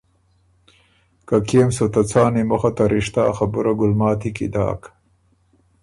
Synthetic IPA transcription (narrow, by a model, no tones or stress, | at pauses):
kakeːmsot̪at͡saːnimoxat̪aɾiʂt̪aːxɐbuɾaɡʊlmɑːt̪ʰikḭd̪a̰ːk